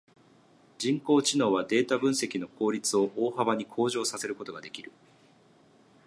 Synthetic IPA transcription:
d͡ʑĩŋko̞ːt͡ɕino̞ːβ̞ad̪e̞ːt̪abɯ̟̃ɰ̃se̞kʲino̞ko̞ːɾʲit͡sɨo̞ʔoːhaβaɲ̟ikʰo̞ːʑo̞ːsase̞ɾɯ̟ko̞t̪o̞ɡad̪e̞kʲiɾɯ̟

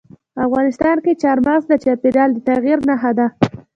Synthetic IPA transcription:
afɣɑnɪst̪ɑnket͡ʃɑɾmaɣzd̪ət͡ʃɑpiɾjɑld̪ət̪aɣiɾnaɦad̪a

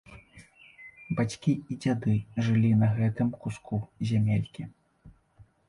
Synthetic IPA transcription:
bat͡sʲkʲiid͡zʲad̪ɨʐɨlʲinɐɣɛt̪ɨmkuskʰuzʲamʲelʲkʲi

